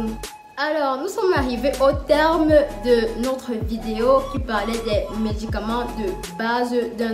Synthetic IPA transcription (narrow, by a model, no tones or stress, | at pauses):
alɔʁnusɔmaʁiveʔot̪ɛʁmd̪ənɔt̪χəvid̪eokʲipaʁlɛd̪ɛmed̪ikamɑ̃d̪ə | bazd̪ɛ̃